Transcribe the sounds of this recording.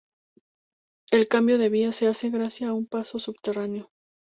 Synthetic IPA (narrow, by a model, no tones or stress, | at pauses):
e̞lkambjo̞ðe̞βiase̞ase̞ɣɾasjaːumpaso̞suβt̪e̞ranejo̞